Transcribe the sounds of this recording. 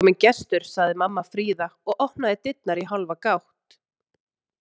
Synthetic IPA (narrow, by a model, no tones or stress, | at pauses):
mɪncɛst̪ʏɾ̥saɣðɪmamːafɾiːðaɔɣʔɔhnaðɪt̪ɪt̪̚naɾiɦalvakawht̪